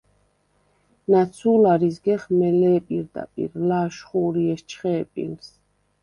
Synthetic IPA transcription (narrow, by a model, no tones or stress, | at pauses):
nat̪sʰuːlaɾisɡɛχmɛlɛːpʼiɾd̪a̰pʼḭɾlaːʃχuːɾiɛʃt͡ʃʰχɛːpʼḭns